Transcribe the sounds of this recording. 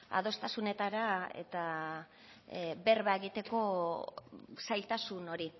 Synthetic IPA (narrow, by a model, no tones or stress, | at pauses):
a̰ð̞o̞st̪asune̞t̪aɾae̞̰t̪a | βe̞ɾβaeɣit̪e̞ko̞ | sajlt̪asuno̞ɾi